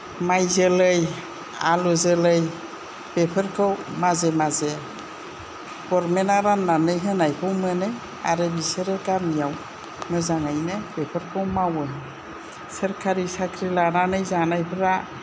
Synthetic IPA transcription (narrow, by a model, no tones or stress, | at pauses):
majzəlɯj | alɔzɯlɯj | bepʰəɾkʰɯwmazemaze | ɡ̥ɔɾmenaɾanːanɯjɦɯnajpʰɯwmɯnɯ | a̰ɾebiseɾekaɾmijaw | mɯzaŋajnebepʰəɾkʰɯwmawɯ | səɾkʰaɾisakʰɾilananɯjzanajpʰɾa